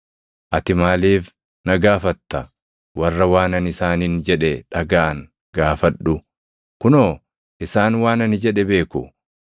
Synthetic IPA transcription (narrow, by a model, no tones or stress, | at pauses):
ʔɐt̪ɪmaːliːf | nɐɡaːfɐt̪ːɐ | wɐrːɐwaːnɐnɪsaːnind͡ʒɛᶑɛᶑɐɡaːʔɐŋ | ɡaːfɐᶑʊ | kʊnoː | ʔɪsaːnwaːnɐnɪd͡ʒɛᶑɛbe̞ːkʊ̰